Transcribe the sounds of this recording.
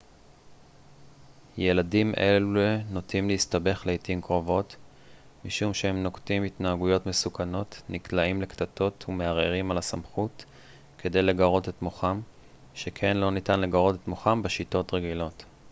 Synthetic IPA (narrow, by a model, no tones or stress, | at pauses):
je̞ladimʔe̞lueno̞timleistabe̞χlejtimkʁo̞vo̞t | miʃumʃeemno̞ktimitnaːɡujo̞tme̞sukano̞tniklaimlektato̞tʰume̞aʁeʁimalasamχut | kʰe̞de̞jle̞ɡaʁo̞te̞tmoχam | ʃekʰenlo̞nitanle̞ɡaʁo̞te̞tmoχambeʃito̞tʁeɡilo̞t